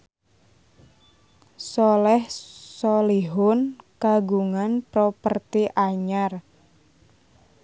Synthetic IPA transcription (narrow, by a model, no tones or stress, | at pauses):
sɔlɛhsoliɦʊnkaɡuŋanpɾɔpərt̪iʔaɲar